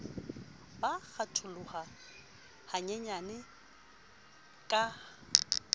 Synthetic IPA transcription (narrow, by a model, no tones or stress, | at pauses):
baɣatʰʊlʊχa | haɲɛɲanɪ | kʼa